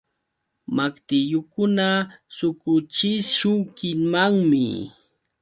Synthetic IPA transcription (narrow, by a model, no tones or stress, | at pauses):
makt̪ɪjʊkʊnasʊkʊt͡ʃɪʃʊŋkɪŋmaŋmɪ̰